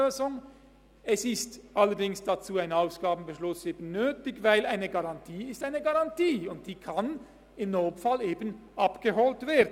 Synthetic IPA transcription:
øːzʊŋ | ɛsɪstʔalːəɾdɪŋsd̥at͡suːaɪnaʊsɡ̥aːbn̩bəʃlʊseːbən̩ːøːtɪçvaɪlaɪnəɡaʁɑntʰiːɪstaɪnəɡaʁɑntiːʊnt̚d̥iːkʰan | ɪmnoːtfaleːbənʔapɡ̥əɦoːltv̥eːɐd

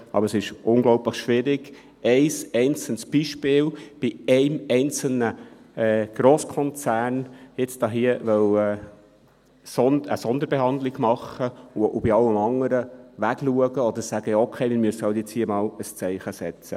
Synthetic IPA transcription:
ʔɑ̰bəɾəsɪʃʊŋɡlɔʊpləχʃʋɪɾɪɡ̥ | ʔɛɪsɛɪnt͡səntsb̥iʃpɪːlb̥ɪɛɪmɛɪnt͡sl̩nə | ɛːɡ̥ɾoːskʰɔnt͡sæːrnjɪt͡sd̥ɑːɦiəʋɛwɛː | sɔnə̰sɔnd̪əɾbeɦɑnd̪lɪɡmɑχəuʊb̥iɑləmɑŋəɾəʋæɡluəɡəɔd̪əɾsæɡ̥əjɑokʰeɪmɪːɾmyəsəhɑltjɪt͡shiːəmɑːləst͡sɛɪχəsɛt͡sə̰

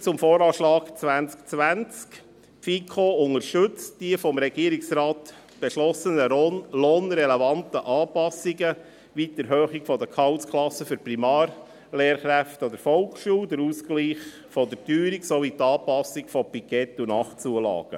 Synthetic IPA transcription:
t͡sʊmfoːɾɑːʃlɑːɡ̥t͡sʋænt͡skt͡sʋænt͡sk | fikʰoːʊŋəɾʃtʏt͡std̥iəfɔmɾɛɡ̥iəɾɪksɾɑːt̪ | b̥eʃlɔsənəloːnɾɛlevɑntəʔɑːpɑsiɡə | ʋit̪əɾɦøːχikfɔdəkʰɑwskʰlɑsəfyɾprimɑːr | leːɾχɾæftɔd̪əɾfɔlkʃuːd̪əɾuːskliːχ | fɔd̪ətyːɾiksɔvit̪ɑːpɑsikfɔpikɛtːunɑχt͡suəlɑ̰ːɡ̥ə̰

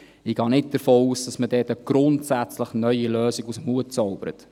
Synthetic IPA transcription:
ɪɡ̥ɑːnɪt̚d̥əɾfoːuːsd̥ɑsmədɛːtəɡ̥ɾʊntsæt͡sləχnœʏiløːsɪɡusəmhuətt͡sɔʊb̥əɾə̰t

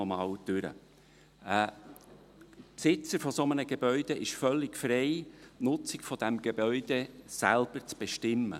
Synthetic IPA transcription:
ɔmɑːwd̥ʏɾə̰ | psɪt͡səɾfɔsomənəɡ̥eb̥œʏd̥̪eʔɪʃfœlːɪkfɾɛɪnʊt͡sɪkfɔd̥æmɡ̥ebœʏd̥̪esæ̰lb̥əɾt͡sb̥eʃtɪmːə̰

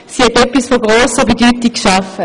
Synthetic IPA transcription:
siɛt̪ɛpisfoɡʁosɔbit̪yt̪ːikʃaf

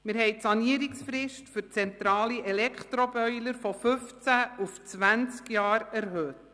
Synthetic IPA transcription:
mɪɾɦɛɪtsɑniəɾɪksfɾɪʃtfyɾt͡sɛnt̪ɾɑːliʔɛlɛkχt̪ɾɔbœʏləɾfɔfɵft͡sæuft͡svænt͡skjɑːɾæɾɦøːt

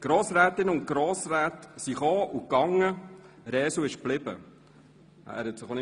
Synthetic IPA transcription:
ɡ̥ɾoːsɾæːt̪ɪnəʊntɡ̥ɾoːsɾæːtsiχoːʔukɑŋːə | ɾɛːsuɪʃb̥lɪbə̰ | æ̰ɾɛtsəχonɪ

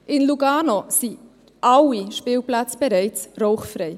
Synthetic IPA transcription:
ʔɪnluɡaːnosi | ʔalːiʃpiːlplat͡sb̥ɛɾɛɪt͡sroʊχfɾɛɪ

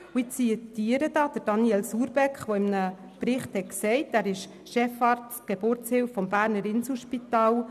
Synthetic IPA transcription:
uɪiədyːəɾədɑːd̪̥əɾd̥ɑnjiɛlsuːɾbɛkχʋoɪmənə | pɾɪχthɛt̚ksɛɪtæːɾɪʃ | ʃɛfɑrt | ɡ̥ebʊɾt͡shɪlfːɔmbæːɾnəɾɪnsl̩ʃpitɑːl

